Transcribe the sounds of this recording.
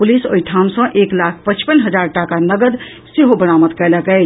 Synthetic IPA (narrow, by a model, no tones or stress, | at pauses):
puliso̰iʈʰamsə̃ʔeklakʰpət͡ʃpənɦəd͡ʒaɾʈakanəɡəd̪ | seɦobəɽ̃amət̪kɛləkɛɪ